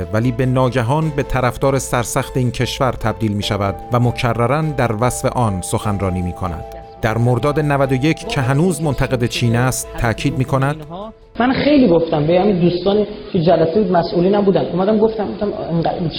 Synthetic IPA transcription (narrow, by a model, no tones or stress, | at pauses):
væliːbe̞nɒːɟæɦɒːnbe̞t̪ʰæɾæfd̪ɒːɾesæɾsæxt̪e̞iːncʰe̞ʃvæɾt̪ʰæb̚d̪iːlmiːʃævæd̪væmocʰærːæɾænd̪æɾvæsfe̞̰ʔɒːnsoxænrɒːniːmiːkʰonæ̰nd̪̥ | d̪̥æɾmoɾd̪ɒːd̪e̞nævæd̪o̞je̞cʰcʰe̞ɦænuːzmont̪ʰæɣe̞d̪et͡ʃʰiːnæst̪ʰːæcʰiːd̪̚miːkʰo̞næd̪̥ | mænxejliːɡoft̪æmbejhæmind̪uːst̪ɒːni | cʰed͡ʒælæsebuːd̪mæsʔuːliːnæmbuːd̪ænd̪omæd̪æmɡoft̪æmboft̪æmeŋɡæ